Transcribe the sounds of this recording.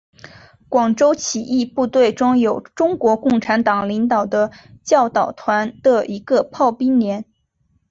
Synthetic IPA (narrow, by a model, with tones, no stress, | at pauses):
kwɑ˨˩ŋʈ͡ʂo˥ʊt͡ɕʰi˨˩ʔi˥˧pu˥˧t̪we˥˩ɪʈ͡ʂʊ˥ŋjo˨˩ʊʈ͡ʂʊ˥ŋkwɔ˧˥kʊ˥˩ŋʈ͡ʂʰa˧˥nt̪ɑ˨˩ŋli˧˥ŋt̪ɑ˨˩ʊd̪ə˦t͡ɕjɑ˥˩ʊt̪ɑ˨˩ʊt̪ʰwa˧˥nd̪ə˧i˧˥ɡə˧pʰɑ˥˩ʊpi˥ŋnjɛ˧˥n